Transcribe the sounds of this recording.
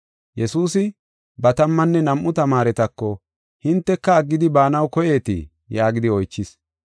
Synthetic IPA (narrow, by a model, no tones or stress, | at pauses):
jɛsuːsɪ | bɐt̪ɐmːɐnːɛnɐmʔʊt̪ɐmaːɾɛt̪ɐkːɔ | hɪnt̪ːɛkːɐːɡːɪd̪ɪbaːnɐwkɔjeːt̪ḭ | jaːɡɪd̪ɪɔjt͡ʃːɪs